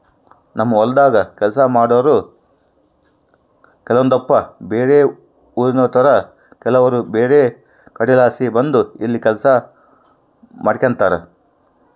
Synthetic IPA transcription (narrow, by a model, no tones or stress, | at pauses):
nɐmːɐɔlɐd̪aːɡɐkɛlɐsɐmaːɽɐʋɐɾu | kɛlɐʋɐnd̪ɔpːɐbeːɾe | uːɾinɔːt̪ɐɾɐ | kɛlɐʋɐɾubeːɾe | kɐɽilaːsibɐnd̪uilːikɛlɐsɐ | mɐɽikɐnt̪aːɾɐ